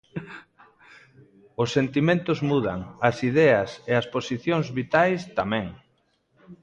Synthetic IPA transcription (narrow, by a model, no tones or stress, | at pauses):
ʊsːent̪imẽnt̪ʊzmuðɐ̰ŋɐsiðɛɐseɐsposiθjoŋzβit̪ajst̪amɛ̃ŋ